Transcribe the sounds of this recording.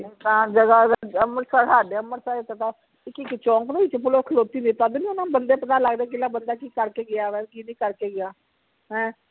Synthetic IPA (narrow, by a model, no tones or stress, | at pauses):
t̪ãːd͡ʒəɡaːəməɾsaɾɦaːɖeːəmːəɾsaːɾet̪ət̪aː | ɪkɪkt͡ʃɔ̃ːŋknəiːt͡ʃpʊloːkʰəloːt̪iːniːt̪ad̪nĩonãːbənd̪eːpət̪aːləɡd̪ẽːk̬ɪlaːbənd̪aːkiːkəɾkeːɡɪjaːʋɛkiːnĩːkəɾkeːɡɪjaː | ɦɛ̃ː